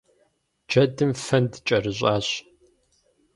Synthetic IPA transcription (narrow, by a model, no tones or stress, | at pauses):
d͡ʒɐdɨmfɐndɨt͡ʃʼɐrɨɕʷʼaːɕ